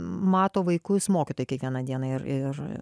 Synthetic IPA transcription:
mɑːt̪oːʋɐɪkʊsmoːkʲɪt̪oːjɪkʲiɛkʋʲiɛnɑːd̪ʲiɛnɐɪɾɪr

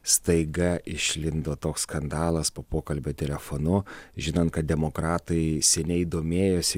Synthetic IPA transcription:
st̪ɐɪɡɐʔɪʃʲlʲɪnd̪oːt̪oːksskɐnd̪ɑːlˠɐspoːpoːkɐlʲbʲoːt̪ʲɛlʲɛfoːnʊʒʲɪnɐːnt̪̚kɐt̪̚d̪ʲɛmoːkɾɑːt̪ɐɪsʲɛnʲɛɪd̪oːmʲeːjoːsʲɪ

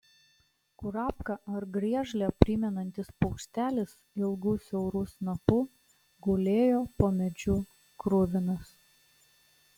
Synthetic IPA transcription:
kʊɾɑːpkɐɐɾɡɾʲiɛʒlʲɛpʲɾʲɪmʲɛnɐnʲt̪ʲɪspɔʊkʃʲt̪ʲæːlʲɪs | ɪlˠɡuːsʲɛʊɾuːsnɐpuː | ɡʊlʲeːjoːpoːmʲɛd͡ʒʲuː | kɾʊʋʲɪnɐs

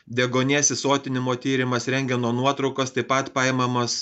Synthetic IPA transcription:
d̪ʲɛɡoːnʲeːsʲɪsoːt̪ʲɪnʲɪmoːt̪ʲiːɾʲɪmɐsɾʲɛŋʲɡʲɛnoːnuɔt̪ɾɒʊkɐst̪ɐɪpɐt̪pɑjɛmɐmɐs

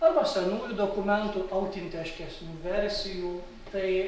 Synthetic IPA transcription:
ɐɾbɐsʲɛnuːjuːd̪oːkʊmʲɛnt̪uːɐʊt̪ʲɪnʲt̪ʲɛʃʲkʲɛsʲnʲuːʋʲɛɾʲsʲɪjuː | t̪ɐɪ

